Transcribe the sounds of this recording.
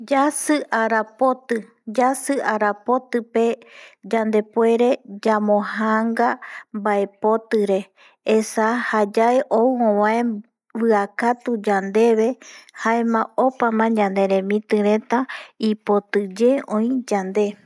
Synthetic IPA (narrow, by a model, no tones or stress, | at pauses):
d͡ʒasɨʔaɾapot̪ɨ | d͡ʒasɨʔaɾapo̞t̪ɨpe̞d͡ʒand̪e̞pwe̞ɾe̞d͡ʒamõhaŋɡambae̞po̞t̪ɨɾe̞ | esahad͡ʒaeʔouõwãẽ | βɨakat̪ud͡ʒand̪e̞βe̞haẽmãopamãd͡ʒãnd̪e̞ɾẽ̞mĩt̪ɨɾẽ̞t̪aipo̞t̪ɨd͡ʒe̞õĩd͡ʒand̪e̞